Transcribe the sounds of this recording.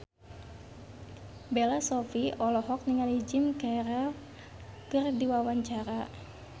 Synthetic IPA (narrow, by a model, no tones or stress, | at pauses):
belasɔfiɔlɔɦɔk̚niŋalid͡ʒimkɛɾɛl | kɨrdiwawaɲt͡ʃaɾa